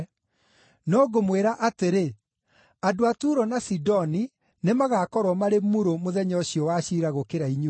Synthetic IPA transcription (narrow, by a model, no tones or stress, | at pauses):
nɔɡomweɾaʔateɾe | adoatuːɾɔnasidɔni | nemaɣakɔɾwɔmaɾemuɾomoðɛɲɔɕiɔwaɕiɾaɣokeɾaiɲu